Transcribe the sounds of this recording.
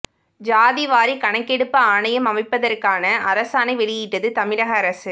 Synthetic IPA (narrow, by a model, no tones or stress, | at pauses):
d͡ʒaːðiʋaːɾikɐɳɐkːɛɽɯpːɐaːɳɐjɐmɐmɐɪpːɐðɐrkaːnɐʔɐɾɐsaːnɐɪʋɛɭɪjɪʈːɐðɯt̪ɐmɪɾɐɣɐːɾɐsɯ